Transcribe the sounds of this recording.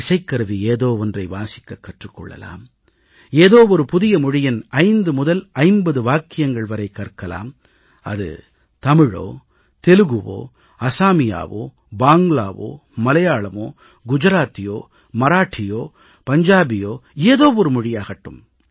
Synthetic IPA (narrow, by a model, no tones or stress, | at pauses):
ɪsɐɪkːɐɾɯʋieːðoːʋɔndrɐɪʋaːsɪ̥kːɐkːɐʈrɯkːɔ̰ɭːɐ̰la̰ːm | eːðoːʋɔɾɯpʊðɪjɐmʊɻɪjɐnɐɪnd̪ɯmʊðɐlɐɪmbɐðɯʋaːkːɪjɐŋɡɐɭʋɐɾɐɪkːɐrkːɐla̰ːm | ɐ̰ðɯ̰ | t̪ɐmɪɻo̰ː | t̪ɛlɯɣɯʋo̰ː | ɐsaːmɪja̰ːʋo̰ː | baːŋɡlɭa̰ːʋo̰ː | mɐlɐjaːɭɐmo̰ː | ɡʊd͡ʒɐɾaːt̪ːɪjoː | mɐɾaːʈʰːɪjoː | pɐɲd͡ʒaːbɪjoːeːðoːʋɔɾɯmʊɻɪjaːɣɐʈːɯ̰m